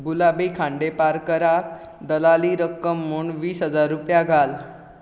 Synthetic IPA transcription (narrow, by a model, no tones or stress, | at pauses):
bulabəjkʰãɳɖepaɾkəɾak̚ | d̪əlaliɾəkːəmːuːɳʋiːsɦəd͡zaɾːupjaɡʱal